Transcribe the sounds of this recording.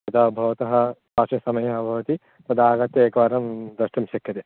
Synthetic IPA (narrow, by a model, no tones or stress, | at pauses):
ɐd̪aːbʱɐʋɐt̪ɐɦɐ̆paːʂɐsɐmɐjɐɐbʱɐʋɐt̪i | t̪ɐd̪aːɡɐt̪jɐeːkɐʋaːɾɐmd̪ɐʂʈɐmʃɐkjɐt̪e